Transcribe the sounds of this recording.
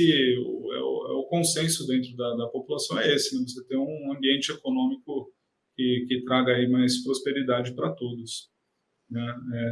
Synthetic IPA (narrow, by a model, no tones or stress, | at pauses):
ɪʊ̰ɛ̰ʊ̰ɛʊkõsẽsʊd̪ẽnt̪ɾʊd̪ɐd̪ɐpopulasɐ̃w̃ɛesɪnɛ̃vos̬et̪ẽj̃ũɐ̃mbiẽnt͡ʃɪekonõmikʊ | kɪkɪt̪ɾaɡɐimajspɾospeɾid̪ad͡ʒɪpɾɐt̪od̪ʊs | nɛɛ